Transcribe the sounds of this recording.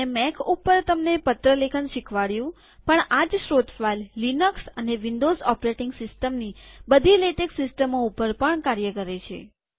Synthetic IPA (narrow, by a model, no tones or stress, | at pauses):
emɛkʰupːəɾt̪əmnepət̪ɾəlekʰənʃikʰʋaɽjũ | pəɳad͡ʒʃɾot̪fajlːinəksəneʋɪnd̪ozɔpɾeʈɪŋɡsɪsʈəmnibəd̪ʱileʈeksɪsʈəmoupəɾpəɳkaɾjəkəɾet͡ʃʰḛ